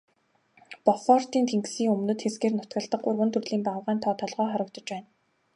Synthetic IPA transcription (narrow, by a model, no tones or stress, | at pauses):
pɔχɔːr̥t̪iːnt̪ʰeŋksiːŋɵmnɵ̆t̪xesɡeːrnʊt̪ɡə̆ɮt̪ə̆χʊrwɵ̆nt̪ʰɵrɮiːmpawʁæːnt̪ʰɔːt̪ʰɔɮʁœːχɔɾə̆k̚t̪ɞ̆t͡ɕpæːn